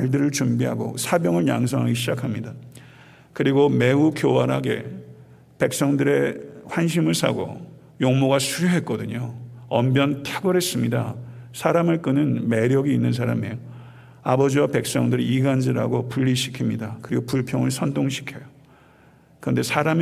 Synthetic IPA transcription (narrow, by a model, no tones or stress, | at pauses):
ɭdɯɾɯɭt͡ɕumbiɦa̰ɡo̰sʰabjʌŋɯɭja̰ŋsʰʌŋɦaɡeɕʰid͡ʑakʰamɲida | kɯɾiɡome̞ukjowaɾɦa̰ɡe̞̰ | pe̞k̚s͈ʌŋdɯɾe̞ɸwanɕ̬ʰimɯɭsʰa̰ɡo̰ | joŋmoɡasʰuɾjuɦe̞t̚k͈ʌdɯɲoʌmbjʌntʰeɡʌɾɦe̞s͈ɯmɲidasʰaɾamɯɭk͈ɯnɯnme̞ɾjʌɡiːnːɯns̬ʰaɾa̰mejo | abʌd͡ʑiwape̞k̚s͈ʌŋdɯɾiiɡand͡ʑiɾa̰ɡopuʎːiɕʰi̥kʰimɲidakɯɾiɡopuɭpʰjʌŋɯɭsʰʌndoŋɕʰi̥kʰejo | kɯɾʌnde̞sʰaɾam